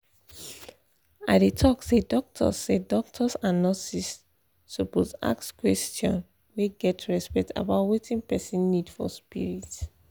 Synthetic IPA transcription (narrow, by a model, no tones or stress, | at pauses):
aɪdetʰɔksedɔk̚tʰɔ̰sːedɔk̚tʰɔsãnɔsisː | oposa̰kskwɛstɔ̰̃n | weɡɛtɹɛspɛkta̰baʊtwitʰĩnpɛsĩnːidfɔ̰spḭɹit